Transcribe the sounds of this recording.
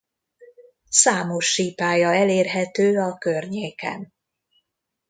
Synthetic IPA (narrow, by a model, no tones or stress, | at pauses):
saːmo̞ʃːiːpaːjɒɛleːrɦɛt̪øːɒkørɲeːkɛ̰n